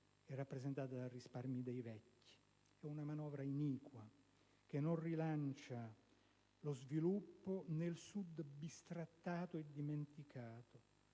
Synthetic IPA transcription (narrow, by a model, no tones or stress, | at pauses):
ɛrːapːɾezent̪aːt̪ad̪alrisparmjid̪ejvɛkːi̥ | ɛunamanɔːvɾainiːkwa | k̟enːonrilant͡ʃa | lozvilupːonelsud̪bist̪ɾat̪ːaːt̪oed̪ːiment̪ikʰaːt̪o